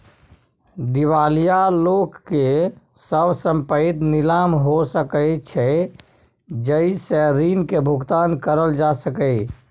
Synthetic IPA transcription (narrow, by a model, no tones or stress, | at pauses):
d̪iʋalijalokːe | səbsəmpəit̪nilamɦosəkəjt͡ʃʰɛ | d͡ʒəiseɾinkebʱuɡt̪ankəɾəld͡ʒasəkəɪ